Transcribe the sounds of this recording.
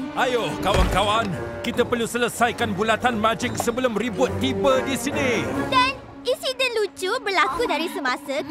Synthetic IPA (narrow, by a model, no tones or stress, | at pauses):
ajohkawankawankit̪apərlusələsajkanbulat̪anmãd͡ʒɪk̚səbəlʊmribʊt̪ːibədisinĩdan | insidə̃nlut͡ʃubərlakudaɾisəmasə